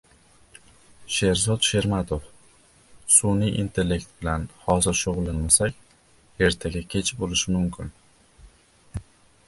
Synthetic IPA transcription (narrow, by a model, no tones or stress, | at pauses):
ʃe̞ɾzɒt̪ʃe̞ɾmat̪ʰof | sunijʔint̪ʰe̞lːe̞kt̪̚bɪlanhɒzɪɾʃoʁlˠanmasakʲ | e̞ɾt̪ʰaɡʲakʲʰe̞t͡ʃʰbolɪʃɪmʊmkʲʰɪn